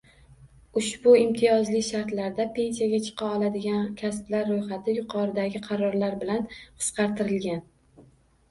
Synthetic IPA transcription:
ʊʃbʊɪmt̪ʰɪjɒzlɪkʲʃaɾt̪laɾd̪apʰe̞nsijaɡʲat͡ʃʰɨ̥qʰɑɒlˠad̪ɪɡʲankʲʰasblaɾːojχat̪ʰɪjʊqʰɒɾɪd̪aɡʲɪqʰɑɾɒɾlaɾbɪlanqʰɨ̥sqʰɑɾt̪ʰɪɾɪlɡʲan

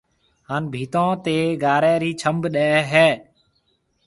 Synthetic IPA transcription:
ɦaːnbʱiːt̪õːt̪eːɡaːɾɛ̃ːɾiːt͡ʃʰəmbɗɛːɦɛː

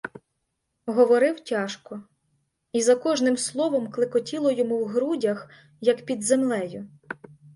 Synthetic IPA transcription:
ɦɔʋɔɾɪwtʲɑʃkɔ | izɐkɔʒnɪmslˠɔʋɔmklˠɪkɔtʲilˠɔjɔmuwɦɾudʲɐx | jɐkpʲid̪zemlˠɛjʊ

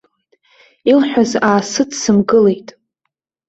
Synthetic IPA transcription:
ilħʷᶣazaːsɨdsɨmɡɨle̞jtʼ

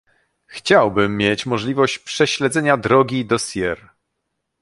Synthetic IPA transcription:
xt͡ɕawbɘmːʲjet͡ɕmɔʐlʲivɔɕt͡ɕpʂɛɕlɛd̪zɛɲad̪ɾɔɡʲid̪ɔsʲjɛɾ

